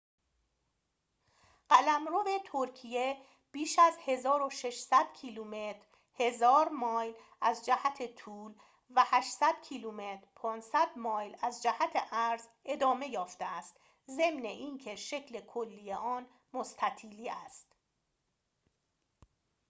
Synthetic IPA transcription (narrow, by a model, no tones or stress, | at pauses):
ɢ̥ælæmɾove̞t̪ʰoɾcʰije̞ | b̥iːʃæzhe̞zɒːɾo̞ʃe̞ʃsæd̪̥cʰiluːmet̪ɾ | he̞zɒːɾmɒːjl | æzd͡ʒæhæt̪ʰe̞t̪ʰuːl | væhæʃsæd̪̥cʰiluːme̞t̪ɾpʰɒːnsæd̪mɒːjlæzd͡ʒæhæt̪ʰeʔæɾze̞d̪ɒːme̞jɒːft̪eæst̪ | ze̞mne̞ʔiːncʰeʃe̞cʰle̞kʰolːiːjeʔɒːn | most̪ʰæt̪ʰiːliːæst̪